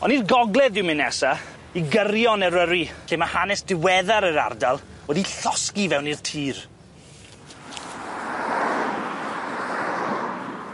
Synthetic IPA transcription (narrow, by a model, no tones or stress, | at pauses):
ɔnirɡɔɡlɛðdɪwmɪnɛsa | iɡəɾjɔnɛɾəɾiɬʰemahanɛsdɪwɛðaɾəɾa̰rdalˠwɛdiɬɔskivɛwnirtʰiːr